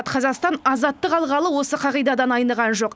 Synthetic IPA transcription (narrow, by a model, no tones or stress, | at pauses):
t̪qʰɑzɑʁst̪ɑnɑzɑt̪ːəqɑlˠʁɑlˠəwo̞səqʰɑʁijd̪ɑd̪ɑnɑjnəʁɑnʒo̞q